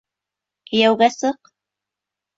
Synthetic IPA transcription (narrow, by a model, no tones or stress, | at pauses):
kɘ̆jæwɣæsɤq